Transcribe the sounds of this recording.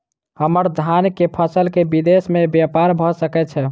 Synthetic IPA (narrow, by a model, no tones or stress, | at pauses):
həməɾd̪ʱankepʰəsəlkebid̪esmebjapaɾbʱɔsəkɛt͡ʃʰɛ